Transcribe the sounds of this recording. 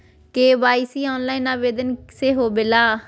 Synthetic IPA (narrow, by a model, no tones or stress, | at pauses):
keːʋaːisiːɔ̃ːnlaːiːnaːʋeːd̪ənseːɦoːbɪlaː